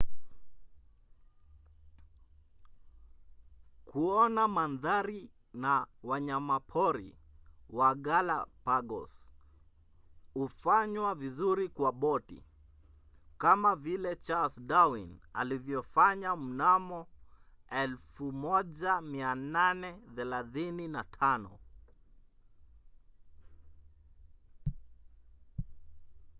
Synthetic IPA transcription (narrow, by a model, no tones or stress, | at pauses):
kuɔnamanðaɾi | nawaɲamapʰɔɾḭwaɠalapaɡɔ̰s | hufaɲwavizuɾikwaɓɔtḭ | kamavilɛt͡ʃalsdawina̰livjɔfaɲam̩namɔ | ɛlfumɔʄamiananɛθɛlaθininatʰanɔ̰